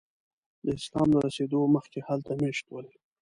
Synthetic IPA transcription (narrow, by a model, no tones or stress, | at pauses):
d̪əɪslɑ̰md̪əɾased̪oməxkehalt̪ameʃt̪wəl